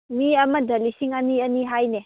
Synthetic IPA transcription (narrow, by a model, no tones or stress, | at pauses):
miɐmɐdɐlisiŋɐniɐniɦajne